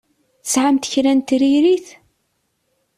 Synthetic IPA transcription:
θəsʕamt̪çɾænt̪ɾiɾiθ

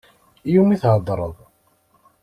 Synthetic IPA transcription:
jumiθhəd̪ˤːɾˤə̰ðˤ

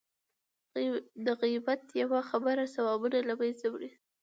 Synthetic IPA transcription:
d̪əɣibat̪jawaxabəɾasawɑbunalabajzawɽi

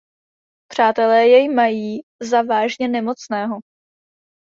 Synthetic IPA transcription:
pr̝̥aːt̪ɛlɛːjɛjmajiːzavaːʒɲɛnɛmo̞t͡snɛːɦo̞

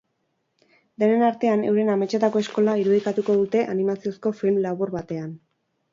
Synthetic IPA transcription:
d̪e̞ne̞naɾt̪e̞ane̞̰wɾe̞name̞t͡ʃet̪ako̞e̞sko̞laiɾuð̞ikat̪uko̞ðut̪e̞ʔanimasio̞sko̞filmlaβuɾβat̪e̞an

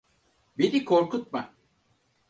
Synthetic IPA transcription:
benikʰo̞ɾkut̪̚ma

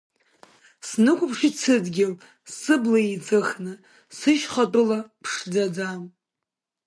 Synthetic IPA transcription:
snɨkʷapʰʂit͡sʰɨdɡʲɪl | sɨblait͡sʼɨχnɨ | sɨʃχatʼʊlapʰʂd͡zad͡zam

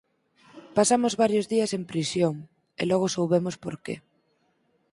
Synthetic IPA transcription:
pasamʊzβaɾjozðiɐsempɾisjoŋ | ḛlɔɣ̞ʊsowβemʊspoɾkḛ

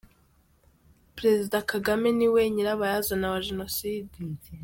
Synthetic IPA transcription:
pɾe̞zidakaɡameniweɲeɾaβajazanawaʒeno̞siːdi

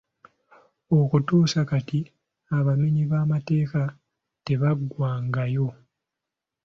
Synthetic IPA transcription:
o̞kutuːsakati | aβamiɲiβaːmate̞ːka | te̞βaɡwaːŋɡajo̞

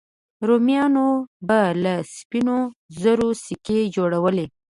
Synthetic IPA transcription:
ɾomijɑnobalaspinozəɾosiked͡ʒoɽawəle

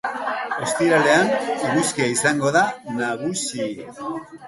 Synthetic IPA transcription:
o̞st̪iɾale̞aniɾuskiaisaŋɡo̞ðanaɣ̞usi

